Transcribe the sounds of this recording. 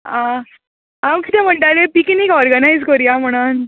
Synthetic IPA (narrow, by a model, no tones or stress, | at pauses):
ã | amkit̪em̤əɳʈ̪alepikinikɔɾɡənajd͡zkoɾijam̤əɽ̃an